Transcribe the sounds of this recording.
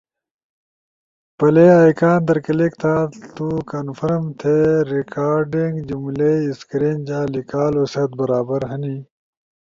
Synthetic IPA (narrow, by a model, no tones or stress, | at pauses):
pɐleːaːjkaːnd̪ɐɾkɐlek̚t̪ʰãːt̪ukɐnfʰɐɾmt̪ʰeɾikʰaːɾɖiŋɡd͡ʑumleiskɾind͡ʑaːlikaːlosɐt̪̚bɐɾaːbɐɾɦɐniː